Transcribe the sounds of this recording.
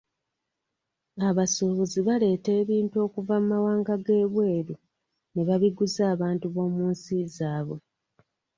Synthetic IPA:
aβasuβuziβale̞ːte̞ːβiːntuo̞ːkuvamumawaːŋɡaɡe̞ːβwe̞ːɾu | neβaβiɡuzaːβaːntuβo̞ːmuːnsizaːβo̞

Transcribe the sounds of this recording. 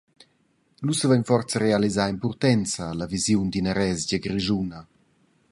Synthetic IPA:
lusəvɛɲfɔrt͡səɾealizaːimpurt̪ɛnt͡saːlavizjund̪inəɾɛzɟəɡɾiʒuna

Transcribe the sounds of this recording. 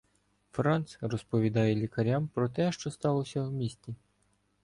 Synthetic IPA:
fɾɑnt̪srɔspɔʋʲid̪ɑjɛlʲikɐɾʲampɾɔt̪̬ɛʃt͡ʃɔst̪ɑlˠɔsʲɐwmʲisʲtʲi

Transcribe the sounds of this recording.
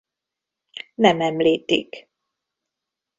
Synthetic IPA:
nɛmɛmliːt̪ḭk

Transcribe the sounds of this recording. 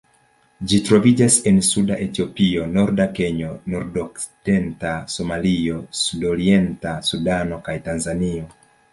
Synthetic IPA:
d͡ʒitɾo̞vid͡ʒase̞nsudaʔe̞tio̞pio̞no̞ɾdake̞ɲo̞noɾdoksi̥d̥e̞ntaso̞malio̞sudo̞ɾie̞ntasudano̞kajtanzanio̞

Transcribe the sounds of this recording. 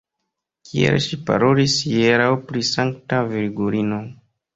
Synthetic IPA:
kʰiḛlʃipa̰ɾo̞lisjeɾawpɾisaŋktaviɾɡuɾino̞

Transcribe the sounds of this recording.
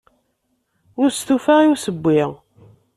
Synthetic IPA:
ʊɾst̪ufaʁiwsəbʷːiʁ

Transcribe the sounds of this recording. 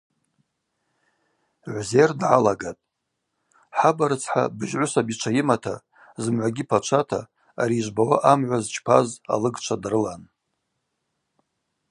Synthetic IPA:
ʕʷzerdʕalaɡatʼ | ħabaɾɨt͡sʰħa̰bɨʒʕʷʊsabit͡ʃʷʰajɪmatʰa̰ | zɨmʕʷaɡʲipʰat͡ʃʷʰatʰa̰ː | ɾiːʒʷbawaʔamʕʷazt͡ʃʰʼpʰaza̰lɨɡt͡ʃʷʰadrɨlan

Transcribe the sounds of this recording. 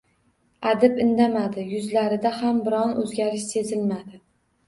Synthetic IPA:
ad̪ɪpɪnd̪amad̪ɪjʊzlaɾɪd̪ahambɪɾɒnʔɵzɡʲaɾɪʃse̞zɪlmad̪ɪ

